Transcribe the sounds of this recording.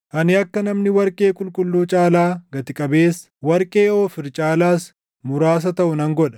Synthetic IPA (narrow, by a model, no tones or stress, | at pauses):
hɐnɪɐkːɐnɐmnɪwɐɾkʼe̞ːkʼʊlkʼʊlːuːt͡ʃʼaːlaːɡɐt̪ɪkʼɐbe̞ːs | wɐɾkʼe̞ːo̞ːfɪɾt͡ʃʼaːlaːs | mʊɾaːs̬ɐt̪ɐʔʊnɐŋɡɔᶑɐ̥